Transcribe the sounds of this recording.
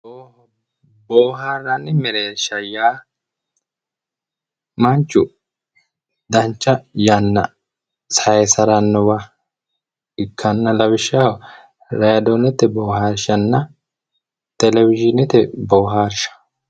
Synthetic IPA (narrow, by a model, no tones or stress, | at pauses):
bo | boːɦaːrːɐnːɪmɛɾeːʃɐjaː | mɐnt͡ʃːʊ | d̪ɐnt͡ʃːɐjɐnːɐ̰ | sɐɛsɐɾɐnːɔwa | ɪkʰːɐnːɐlɐbɪʃːa | ɾɐjɐd̪onɛt̪ːɛboːɦaːɾʃɐnːɐ | t̪ɛlɛwɪd͡ʒɪnɪt̪ɛboːɦaːɾʃɐ̥